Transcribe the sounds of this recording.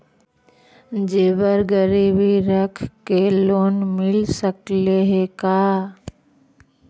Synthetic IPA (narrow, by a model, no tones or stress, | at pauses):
d͡ʒeːʋəɾɡəɾiːbiɾəkʰkeloːnmɪlsəkleɦekaː